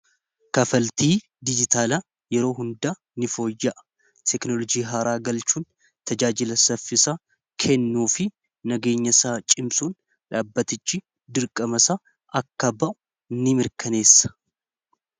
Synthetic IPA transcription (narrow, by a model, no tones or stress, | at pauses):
kɐfɐlt̪iː | d̪ɪd͡ʒɪt̪ʰaːlɐ | jɛɾo̞ːɦʊnd̪aː | nɪfo̞ːjːɐʔ | t̪ʰɛknɔlɔd͡ʒiːɦaːɾʔaːɡɐlt͡ʃuːn | t̪ʰɐd͡ʒaːd͡ʒɪlɐsɐfːɪsaː | kʰɛnːuːfɪ | nɐɡe̞ːɲːɐsaːt͡ʃʼɪmsʼuːn | ᶑaːbːɐt̪ɪt͡ʃːɪ | d̪ɪɾkʼɐmɐsaː | ʔɐkːɐbɐʔʊ | nːɪmɪɾkʰɐne̞ːsːɐ̥